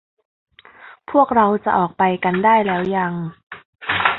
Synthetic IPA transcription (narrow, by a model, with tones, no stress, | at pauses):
pʰu˥˩ək̚ɾa˧wt͡ɕa˨˩ʔɔː˨˩k̚pa˧jka˧ndaː˥˩jlɛː˦˥wja˧ŋ